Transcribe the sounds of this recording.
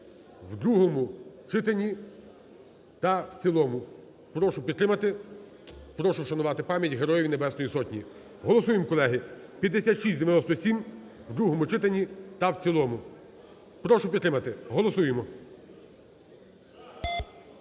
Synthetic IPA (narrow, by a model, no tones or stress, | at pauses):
wd̪ɾuɦɔmʊt͡ʃɪt̪enʲi | t̪ɐwt͡sʲilˠɔmʊ | pɾɔʃʊpʲid̪t̪ɾɪmɐt̪ɪ | pɾɔʃʊʃɐnʊʋɑt̪ɪpɑmʲjɐtʲɦeɾɔjiʋʲinebɛst̪ɔjisɔtʲnʲi | ɦɔlˠɔsujemkɔlˠɛɦɪpʲjɐd̪ːesʲat̪ʃisʲd̪eʋjnɔst̪ɔsʲim | wd̪ɾuɦɔmʊt͡ʃɪt̪enʲit̪ɐwt͡sʲilˠɔmʊ | pɾɔʃʊpʲid̪t̪ːɾɪmɐt̪ɪɦɔlˠɔsujemɔ